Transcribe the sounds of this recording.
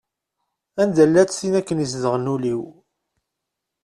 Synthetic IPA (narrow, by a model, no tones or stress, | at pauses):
ænd̪ælːæt͡ssinækːənisðəʁənuliw